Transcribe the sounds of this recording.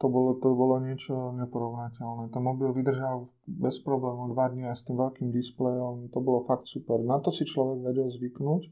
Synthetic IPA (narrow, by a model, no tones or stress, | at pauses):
t̪ɔbɔlɔt̪ɔbɔlɔɲɪɛt͡ʃɔɲɛpɔɾɔʊnacɛlnɛt̪ɛnmɔbilʋid̪r̩ʒal | bɛspɾɔblɛːmɔd̪ʋad̪ɲiajst̪iːmʋɛʎkiːmd̪isplɛjɔmt̪ɔbɔlɔfakt̪supɛɾnat̪ɔsit͡ʃlɔʋɛɡʋɛɟɛlzʋiknuːc